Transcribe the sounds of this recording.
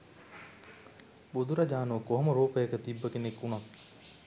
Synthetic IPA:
bud̪uɾɐd͡ʒaːnukoɦɐmɐɾoːpəjɐkət̪ibːəkenekːunɐt̪

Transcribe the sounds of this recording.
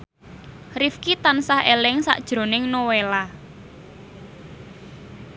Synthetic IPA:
rifkit̪ansahelɪŋsa̰ʔd̥ʒ̥ɾo̤nɪŋnowela

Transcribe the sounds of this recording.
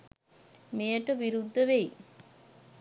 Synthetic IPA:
mejəʈəʋiɾud̪ʱːəʋeji

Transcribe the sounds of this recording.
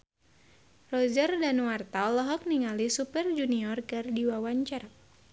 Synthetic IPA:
rɔd͡ʒərdanwart̪aɔlɔɦɔk̚niŋalisupɛrd͡ʒuniɔrkɨrdiwawaɲt͡ʃara

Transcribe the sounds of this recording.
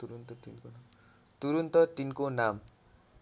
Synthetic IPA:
t̪uɾunt̪ʌt̪inkonam | t̪uɾunt̪ʌt̪inkonam

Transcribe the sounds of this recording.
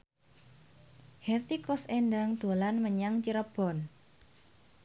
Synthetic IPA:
hɛt̪ikɔsendaŋd̪̥o̤lanməɲaŋt͡ʃiɾəb̥ɔ̤n

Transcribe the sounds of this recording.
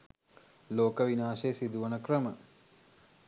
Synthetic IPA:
loːkəʋinaːʃejəsid̪uʋənəkrəmə

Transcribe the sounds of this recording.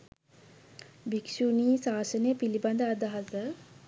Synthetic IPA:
bikʃuniːsaːsənəjəpiliband̪əad̪aɦasə

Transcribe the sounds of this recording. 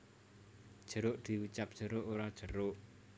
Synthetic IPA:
d̥ʒ̥ə̤ɾʊʔd̪̥i̤wut͡ʃap̚d̥ʒ̥ə̤ɾʊʔoɾad̥ʒ̥ə̤ɾʊʔ

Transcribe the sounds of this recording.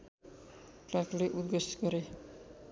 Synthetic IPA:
klakleʔud̪̚ɡʌsɡʌɾe

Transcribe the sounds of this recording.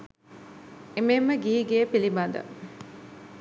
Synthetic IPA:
ememːəɡiːɡeepilibɐnd̪ə̰

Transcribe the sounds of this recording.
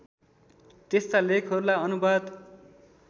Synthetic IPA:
t̪est̪alekʰɦʌɾulaʌnubad̪

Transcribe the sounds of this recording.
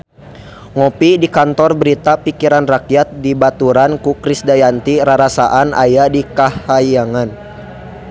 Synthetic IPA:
ŋɔpidikant̪ɔrbəɾit̪apikiɾanrakijat̪̚dibat̪uɾankukɾisdajant̪iɾaɾasaʔana̰jadikahajaŋan

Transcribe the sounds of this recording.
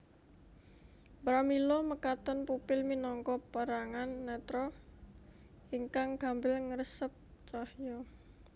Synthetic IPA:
bɾamilɔməkat̪ənpupɪlminɔŋkɔpəɾaŋanːɛt̪ɾɔ | iŋkaŋɡ̥a̤mbɪlŋəɾəsəp̚t͡ʃahjɔ

